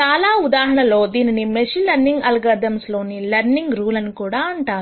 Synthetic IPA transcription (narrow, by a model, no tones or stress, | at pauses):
t͡ʃaːlaːud̪aːɦɐɳɐloːd̪iːninimeʃilɐɾniŋɡɐlɡɐd̪ɐmslo̞ːnilɐɾniŋɡɾuːlɐnikuːɽaːɐɳʈaːɾu